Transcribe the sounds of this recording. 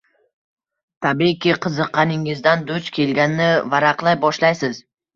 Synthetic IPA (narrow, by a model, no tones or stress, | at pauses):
t̪ʰabikʲɪqʰɨzɨqːɑnɪŋɪzd̪and̪ʊt͡ʃkʲʰe̞lɡʲanɪːɪvaɾaqlˠajbɒʃlajsɪz̥